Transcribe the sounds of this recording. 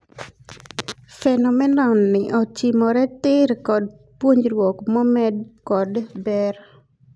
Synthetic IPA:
fɛnɔmɛnɔnːɪʔɔt͡ʃimɔɾɛtɪɾkɔd̚ | pwoɲɾwɔkmɔmɛdkɔdbɛr

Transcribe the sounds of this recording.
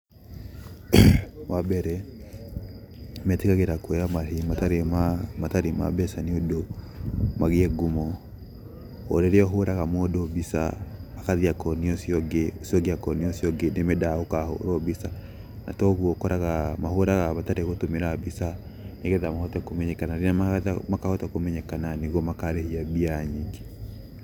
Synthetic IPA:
wabɛɾɛ | mɛtekaɣeɾakwɛjamaɦimataɾemamataɾema̰bɛsaniodo | maɣeɛɡumɔ | o̰ɾeɾeɔɦoɾaɣamodobisa̰akaðiakɔniɔsiɔɡesiɔɣiakɔniɔsiɔɡenemɛdaokaho̰ɾɔbisa | na̰tɔɣwɔkɔɾaɣamaɦoɾaɣaβataɾeɣotomeɾabisa | neɣɛðamahɔtɛkomɛɲɛkanaɾenamtmakahɔtakomɛɲɛkananeɣwɔmakaɾehiabiaɲiɡe

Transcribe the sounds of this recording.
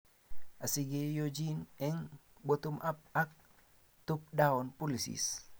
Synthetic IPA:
ʔasiɡejod͡ʒinɛŋbɔt̪umʔap̚ak̚ | t̪up̚daɔnpulisḭs

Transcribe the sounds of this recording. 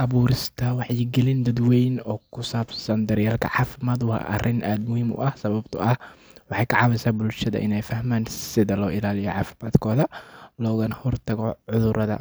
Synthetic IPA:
ʔɐβuːɾɪst̪ʰɐwɑħjɪɡɛlɪnd̪ɐd̪wɛjnɔːkʰʊsaːbsɐnd̪ɐɾjaːlkʰɐ̰ʕɑːfɪmaːd̪wɑ̰ːʔɐ̰rɪnʔaːd̪mʊhɪmʊ̰ʔɐhsɐβɐbt̪ʰʊʔɐh | wɑħɑjkʰɐʕɑβɛsaːbʊlʃɐðɐ̰ʔɪnɛjfɐhmaːnsɪðɐlɔːʔɪlaːlɪjɔʕɑːfɪmaːd̪kʰɔːðɐlɔːɣɐnɐhɔrt̪ʰɐɣɔʕʊðʊɾɐðɐ̰

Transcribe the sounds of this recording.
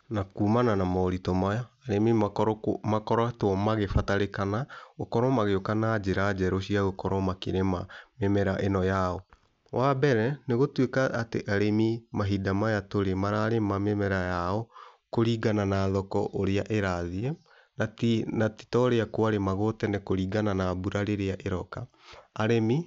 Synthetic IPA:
nakuːmananamaoɾitɔmajɔaɾemi | makɔɾwatwɔmaɣefataɾekanaɣokɔɾɔmaɣeokanad͡ʑeɾad͡ʒɛɾoɕiaɣokɔɾɔmakeɾemamemɛɾaʔenɔjaɔ | wʔabɛɾɛneɣotwekaʔːteʔaɾemimaɦidamajatoɾemaɾaɾemamemɛɾajaɔkoɾiːɡananaːðɔkɔ̰ʔoɾeaʔeɾaðiɛ | natnati̥tɔɾeakwaɾemaɣotɛnɛkoɾiːɡananabuɾaɾeɾeaʔeɾɔka | aɾemi

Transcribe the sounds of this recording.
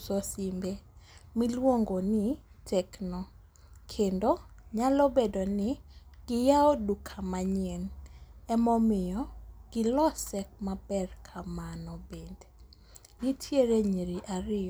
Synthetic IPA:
sɔsimbemilwoŋɡonɪ | tʰɛknɔ | kʰendoɲalɔbedonɪɡ̥ɪjaɔdukʰamaɲiɛnɛmɔmɪjɔɡ̥ɪlɔsɛk̚mabɛrkʰamanɔbend | ɡitʰjeɾeɲiɾiʔaɾɪ

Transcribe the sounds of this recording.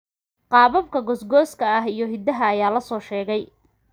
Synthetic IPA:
qɑːβɐbkʰɐɡɔsɡɔːskʰɐɐɦijɞɦɪd̪ːɐɦɐːjaːlɐsɔːʃɛːɣɛj

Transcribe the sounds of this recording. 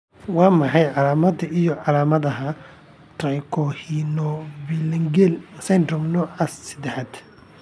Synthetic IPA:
wɑːmɑħɑjʕɑlaːmɐd̪ɐʔijɔʕɑlaːmɐðɐɦɐ | t̪rɐjkʰɔhinɔbiːlɐŋɡɛlsɛnd̪rɔmnɔːʕaːsːɪd̪ɛħaːd̪

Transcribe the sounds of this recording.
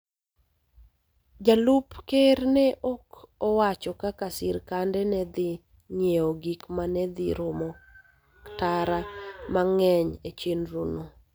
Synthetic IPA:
d͡ʒalupkeɾnɛʔokɔwat͡ʃɔkakasɪɾkandɛnɛd̪ɪ | ɲeoɡikmanɛd̪ɪ̰ɾomɔ | ktaɾamaŋɛɲet͡ʃenɾuno

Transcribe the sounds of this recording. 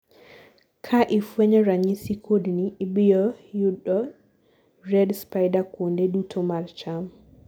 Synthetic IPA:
kʰaʔifwɛɲɔɾaɲisikʰodniːbijɔjuɗːɔ | rɛdspajdakondɛdutʰɔmaɾt͡ʃam

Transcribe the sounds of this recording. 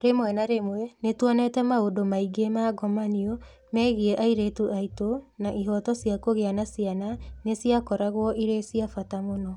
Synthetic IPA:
ɾemwɛnaɾemwɛnetwanetɛmaodomaiɡemaɡɔmanio | mɛːɣiɛʔaiɾetuʔaitonaʔiɦɔtɔsjakoɣeanasiananesiakɔɾaɣwɔʔiɾesiafatamonɔ

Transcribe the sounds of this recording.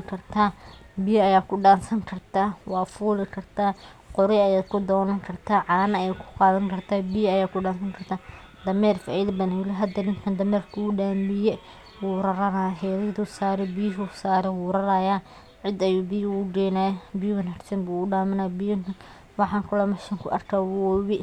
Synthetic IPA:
kʰɐrt̪ʰaːbɪjɐɐjaːkʰʊɖaːnsɐŋkʰɐrt̪ʰaːwɑːfuːlɪkʰɐrt̪ʰaː | qʊɾɪɐjaːd̪kʰʊd̪ɔːnɐŋkʰɐrt̪ʰaːʕɑːnɐɐjaːkʰʊ̥qɑːðɐŋkʰɐrt̪ʰaːbɪjɐjaːkʰʊɖaːnsɐŋkʰɐrt̪ʰaː | d̪ɐmɛːrfaːʔɪðɐbɐnjɪlɪɦɐd̪ɐnɪnkʰɐnd̪ɐmɛːrkʰʊʊɖaːmbɪjɛ | wuːɾɐɾɐnaɦɛːðɪd̪usaːɾɛbijɦʊsaːɾɛwuːɾɐɾɐjaː | ʕɪd̪ɐjuːbijʊɖɛːnaːbijwɐnɐrsɐnbuːʊɖaːmɐnaːjbijʊŋkʰɐn | wɑħɑːŋkʰʊlɐmɐʃɪŋkʰʊ̰ʔɐ̰rkʰaːwʊwɔwɪ

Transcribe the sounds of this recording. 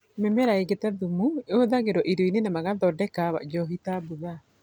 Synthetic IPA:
memeɾaeɡetaðumueoðaɣeɾɔʔiɾoinenamaɣaðɔdɛkaβa̰d͡ʒɔɦitabuɣa

